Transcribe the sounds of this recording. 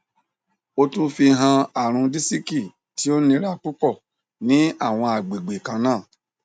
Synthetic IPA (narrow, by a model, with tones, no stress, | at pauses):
o˧tũ˦fi˧ɦã˧a˨ɾ̃ũ˧di˦si˦ki˦˨ | ti˦o˦nĩ˧ɾa˦k͡pu˦k͡pɔ˦˨ | nĩ˨˦a˦˨w̃ɔ̃˧a˨ɡ͡be˨ɡ͡be˨kã˨˧nãː˦˨